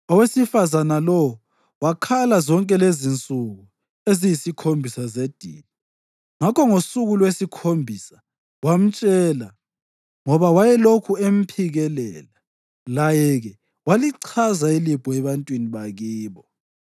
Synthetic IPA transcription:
ɔwesifazanalɔwɔ | wakʰalazɔŋkʼɛlezint͡sʼuɣu | ezijisikʰombʱisazed̥ʱḭːni | ŋakʰɔŋosuɣulwesikʰombʱisḁ | wam̩t͡ʃʼɛːla | ŋɔβawajɛlokʰuem̩pʰiɣɛlɛ̰la | lajɛɣɛ | waliǀʰazailib̥ʱɔɛβantʼwiniβaɣiːβɔ

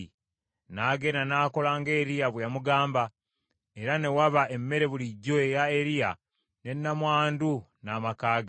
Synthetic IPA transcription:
naːɡe̞nanaːko̞laŋɡeːɾijaβwejamuɡaːmba | e̞ɾane̞waβae̞mːe̞ɾe̞βuliɟːoejaeɾija | ne̞nːamwaːndunamakaːɡa

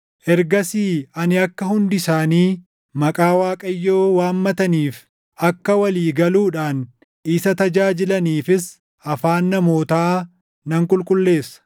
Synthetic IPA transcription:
ʔɛɾɡɐsiːɐnɪɐkːɐhʊnd̪ɪsaːniː | mɐkʼaːwaːkʼɐjːoːwaːmːɐt̪ɐniːf | ɐkːɐwɐliːɡɐluːᶑaːn | ʔɪsɐt̪ɐd͡ʒaːd͡ʒɪlɐniːfɪs | ʔɐfaːnːɐmo̞ːt̪aː | nɐŋkʼʊlkʼʊlːe̞ːsːɐ̥

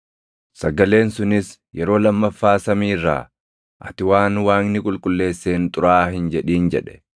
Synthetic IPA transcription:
sɐɡɐle̞ːnsʊnɪs | jɛɾo̞ːlɐmːɐfːaːsɐmiːrːa̰ː | ʔɐt̪ɪwaːnwaːŋnɪkʼʊlkʼʊlːe̞ːsːeːnt̪ʼʊɾaːhɪnd͡ʒɛᶑiːnd͡ʒɛᶑɛ̥

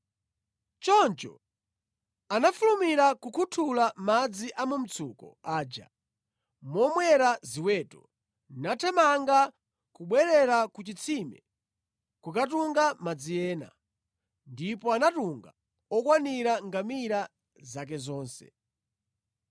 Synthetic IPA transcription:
t͡ʃɔnt͡ʃɔ̰ | anafulumiɾakukʰutʰulamad͡ziʔamum̩t͡sʰukɔ̰aːd͡ʒa̰ | mɔmwɛɾaziwɛːtɔ̰ | natʰamaŋɡa | kuɓwɛɾɛɾakut͡ʃit͡sʰimɛ̰ | kukat̬uŋɡamad͡zijɛːna̰ | ndipɔanatuŋɡa | ɔkwaniɾaŋɡamiɾa | zak̬ɛzɔːnsɛ̰

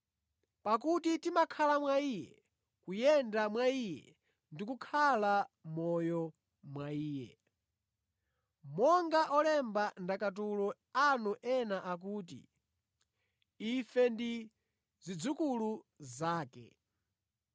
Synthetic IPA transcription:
pak̬utitimakʰalamwaiːjɛ̰ | kujɛndamwaijɛ̰ | ndikukʰalamɔjɔ | mwaiːjɛ̰ | mɔŋɡaʔɔlɛmbandakatulɔ | anuʔɛnaʔak̬uːt̬ḭ | ifɛndi | zid͡zukuluzaːkɛ̰

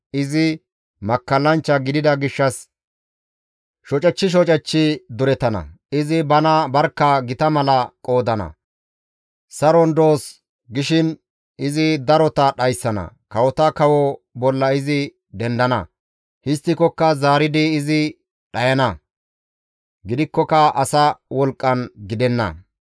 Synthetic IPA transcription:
ɪzɪ | mɐkːɐlːɐnt͡ʃːɐɡɪd̪ɪd̪ɐɡɪʃːɐs | ʃɔt͡ʃʼɐt͡ʃːɪʃ̬ɔt͡ʃʼɐt͡ʃːɪd̪ʊɾɛt̪ɐnɐ̰ | ɪzɪbɐnɐbɐɾkːɐɡɪt̪ɐmɐlɐkʼo̞ːd̪ɐnɐ̰ | sɐɾɔnd̪o̞ːs | ɡɪʃɪn | ɪzɪd̪ɐɾɔt̪ɐɗɐjsːɐnɐ̰kɐwɔt̪ɐkɐwɔbɔlːɐɪzɪ | d̪ɛnd̪ɐnɐ̰ | hɪst̪ːɪkɔkːɐzaːɾɪd̪ɪːzɪ | ɗɐjɐnɐ | ɡɪd̪ɪkːɔkɐɐsɐwɔlkʼːɐnɡɪd̪ɛnːɐ̰

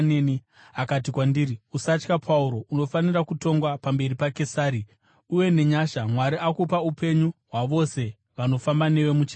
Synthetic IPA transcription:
neni | akat̬ikwandiɾiusat͡ʃkapʰauɾo̞ʔuno̞fanirakuto̞ŋɡwapambe̞ripake̞saːɾi | uje̞ne̞ɲaʃamwaɾiʔakupaupe̞ɲuɦwaʋo̞se̞ | ʋano̞fambane̞ʋe̞mut͡ʃi

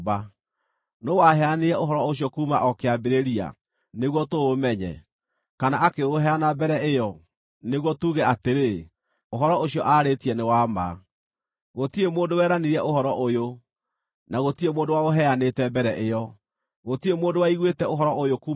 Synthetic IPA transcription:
ba | nowaɦɛaneɾɛoɦɔɾɔoɕ̬jɔkuːmaʔɔkeabeɾeɾia̰ | neɣwɔtoːmɛɲɛ̰ | kanaʔakeoɦɛanabɛɾɛejɔ | neɣwɔtuɣɛateɾe | oɦɔɾɔoɕiɔʔaɾetiɛnewama̰ | ɣotiemoːndowɛːɾaneɾiɛʔohɔɾɔʔojo | naɣotiemoːndowaoɦɛanetɛbɛɾɛʔejɔ | ɣotiemoːndowaiɣwetɛoɦɔɾɔojokuː

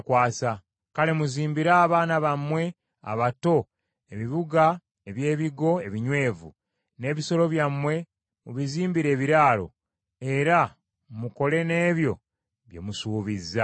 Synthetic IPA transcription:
kwaːsa | kale̞muziːmbiɾaːβaːnaβamwe̞ | a̰βato̞ | e̞βiβuɡa | eβje̞ːβiɡo̞e̞βiɲwe̞ːvṵ | ne̞ːβiso̞lo̞βjamwe̞ | muβiziːmbiɾe̞ːβiɾaːlo̞̰ | e̞ɾa | muko̞le̞ne̞ːβjo̞ | βje̞̰musuːβizːa

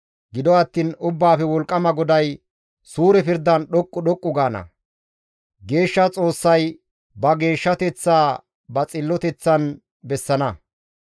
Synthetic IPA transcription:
ɡɪd̪ɔɐt̪ːiːnʊbːaːfɛwɔlkʼːɐmɐɡɔd̪ɐj | suːɾɛpɪɾd̪ːɐnɗɔkʼːʊɗɔkʼːʊɡaːnɐ̰ | ɡe̞ːʃːɐt͡sʼo̞ːsːɐj | bɐɡe̞ːʃːɐt̪ɛt͡sːaː | bɐt͡sʼɪlːɔt̪ɛt͡sːɐn | bɛsːɐnɐ

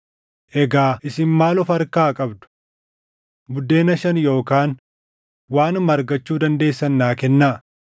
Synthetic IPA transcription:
ʔɛɡaːʔɪsɪnmaːlʊfɐɾkaːkʼɐbd̪ʊ̥ | bʊd̪ːe̞ːnɐʃɐnjo̞ːkaːn | waːnmɐɾɡɐt͡ʃːuːd̪ɐnd̪e̞ːsːɐnːaːkɛnːaː

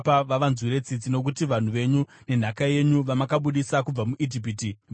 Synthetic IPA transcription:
paʋaʋanzuɾe̞t͡sid͡zino̞k̬utiʋan̤uʋe̞ɲu | ne̞n̤akaje̞ɲuʋamakaɓuɗisakub͡vamuʔit̬ip̬iːti

